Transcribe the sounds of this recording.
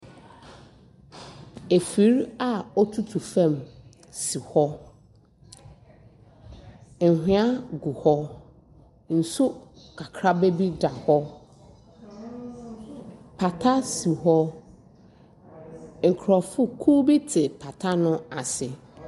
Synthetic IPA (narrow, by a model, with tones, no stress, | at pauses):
e˨fi˨˦ɾa˨ɔ˦tʰu˦tʰu˨fɛ̃˦˨m | si˨hɔ˦ | ŋ̩˨hᶣĩ˦a˦ɡu˨hɔ˦ | n̩˨sʊ˦ | kʰa˨kʰɾa˦be˦bi˦da˨hɔ˦ | pʰa˨tʰa˦si˨ɦɔ˦ | ŋ̩˨kʰɾɔ˨fʊ˦kʰu˦bi˦tʰɪ˨pʰa˨tʰa˦nʊ̃˦a˨sɪ˨